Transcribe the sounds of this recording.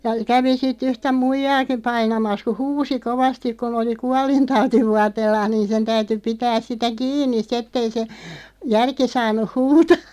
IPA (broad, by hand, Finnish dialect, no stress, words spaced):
jɑ kæʋi sit yhtæ muijɑːkim̆ pɑinɑmɑs ku huːsi koʋɑstik kun oli kuɑlintɑutiʋuɑteːlːɑːh̆ niːn sen tæyty pitæːs sitæ kiːnˑis̆ sĭt etːei se jærki sɑːnˑuh̆ huːtɑː